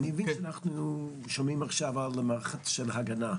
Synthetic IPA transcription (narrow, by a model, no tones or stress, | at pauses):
nivinʃanaχnu | ʃɔmimaχʃavalˠəmaχat͡sʃɛlˠhaɡana